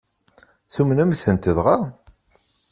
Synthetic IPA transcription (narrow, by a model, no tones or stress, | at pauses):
θumnæmθənt̪əðʁa